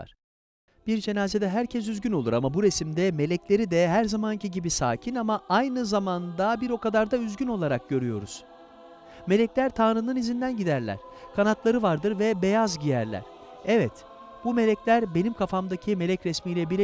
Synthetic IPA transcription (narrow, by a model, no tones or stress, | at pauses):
a̰ɾ̥ | b̥iɾd͡ʒe̞naːze̞d̪ɛɦæɾcʰɛs̬yzɟyno̞lˠuɾamabuɾesimd̪ɛme̞lʲɛclʲe̞ɾid̪ɛɦæɾzamancʰiɟibisa̰ːcʰinamaʔajnɯzamand̪abiɾo̞kad̪aɾd̪ayzɟyno̞lˠaɾak̚ɟ̥ø̞ɾyjo̞̰ɾṵz̥ | me̞lʲɛclʲæɾt̪ʰaːnɾɯnɯnizind̪ænɟid̪æɾlʲæ̰ɾ̥ | kʰanat̪lˠaɾɯvaɾd̪ɯɾvɛbe̞jazɟijæɾlʲæ̰ɾ̥ | ɛvɛt̪ | b̥ume̞lʲɛclʲæɾbe̞nimkʰafamd̪acʰime̞lʲɛcɾɛsmiːlʲɛbilʲ